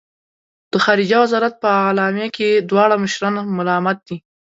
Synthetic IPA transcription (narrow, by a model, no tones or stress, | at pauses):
d̪̥əxɑɾid͡ʒɑwazɑɾat̪̚pəalɑmjaked̪wɑɽaməʃɾɑnamʊlɑmat̪̚d̪i